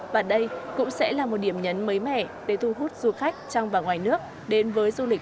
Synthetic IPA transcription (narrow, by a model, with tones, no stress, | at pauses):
vaː˨˩ɗə˧jkʊ̰˧˥ŋ͡msɛ̰˧˥laː˨˩mo˨˩t̚ɗi˧˩əmɲə˨˦nmə˨˦jmɛ̰˧˨ɗe˧˩t̪ʰu˧˩ɦu˦˥t̚z̥u˧xa˦˥jk̟̚t͡ɕɔ˧wŋ͡mvaː˨˩wŋwaː˨˩jnɨ˦˥ək̚ | ɗe˨˦nvəː˨˦jzu˧lï˨˩k̚